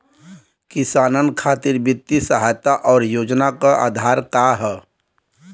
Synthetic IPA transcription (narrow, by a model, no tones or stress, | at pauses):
kisaːnənkʰaːt̪ɪɾbjɪt̪ːisəɦajt̪aʔɔːɾjoːd͡ʒnakaʔa̰ːd̪ʱaːɾkaɦɛ